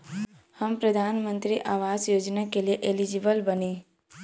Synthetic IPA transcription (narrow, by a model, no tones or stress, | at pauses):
həmpɾəd̪ʱanmənt̪ɾiʔaʋazjoːd͡ʒnakelijeʔelid͡ʒibəlbəne